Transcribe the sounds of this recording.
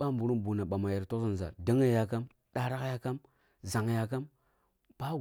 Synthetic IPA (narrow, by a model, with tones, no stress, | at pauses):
ɓa˦mbu˨ɾu˦nbu˨na˨ɓa˨ma˨ja˨ɾto˦za˨n˨za̰˨da˦ŋa˦˨ja˨ka˦m | ɗa˨ɾa˦kja˦ka˦m | za˨ŋ˨ja˨k̬a˦m | b̥a˦